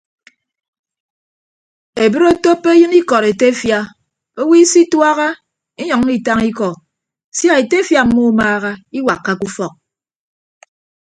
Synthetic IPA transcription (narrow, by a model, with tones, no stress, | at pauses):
e˨bɨ˦ɾo˦to˦pːe˦jɨ˦ni˦kɔ˨ɾe˨te˦fja˦ | o˦wi˦si˦twa˦ɣa˦ | e˦ɲɔ˨ŋ˦i˨ta˦ŋi˦kɔ˨ | sja˦e˨te˦fja˦m̩˦mo˦maː˦ɣa˦i˦wa˨kːa˦ku˦fɔ˨k̚